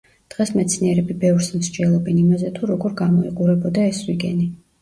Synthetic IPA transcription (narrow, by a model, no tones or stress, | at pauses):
d̪̥ʁɛsmɛt̪sʰniɛɾɛbibɛvɾsmʃd͡ʒɛlˠɔbɛnimazɛt̪ʰuɾɔɡɔɾɡamɔḭqʼuɾɛbɔd̪aɛswiɡɛni